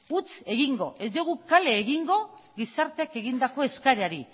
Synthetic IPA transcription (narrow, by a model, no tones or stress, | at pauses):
ut͡se̞ɣiŋɡo̞ʔe̞zd̪iɣ̞ukale̞ːɣiŋɡo̞ɣisaɾt̪e̞ake̞ɣind̪ako̞e̞skaɾeaɾi